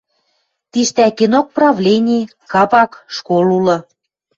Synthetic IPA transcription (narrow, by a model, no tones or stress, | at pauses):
t̪iʃt̪ækinok̚prɑvlʲenʲe | kɑpɑkʃkolulɤ̆